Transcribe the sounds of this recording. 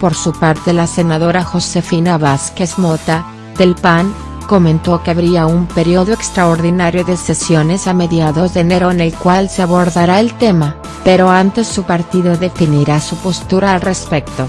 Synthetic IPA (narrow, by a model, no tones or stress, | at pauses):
po̞ɾsupaɾt̪e̞lase̞naðo̞ɾaxo̞se̞finaβaske̞zmo̞t̪a | ðe̞lpaŋ | ko̞mẽ̞nt̪o̞keaβɾiaumpe̞ɾjoðoekst̪ɾaoɾðinaɾjo̞ðe̞se̞sjo̞ne̞same̞ðjaðo̞zðene̞ɾo̞ene̞lkwalseaβo̞ɾðaɾae̞lt̪e̞ma | pe̞ɾo̞ant̪e̞sːupaɾt̪iðo̞ðe̞finiɾasupo̞st̪uɾaːlre̞spe̞k̚t̪o̞